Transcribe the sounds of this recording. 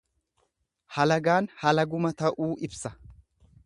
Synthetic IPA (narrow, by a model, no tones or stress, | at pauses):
hɐlɐɡaːnhɐlɐɡʊmɐt̪ɐʔuːʔɪbsɐ